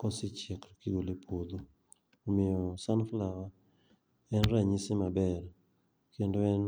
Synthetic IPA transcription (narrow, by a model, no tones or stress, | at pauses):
kɔsɪt͡ʃɛkɾkiɡolepʰod̪oː | mɪjɔsanflawa | ɛnɾaɲisɪmabɛla | kendɔɛn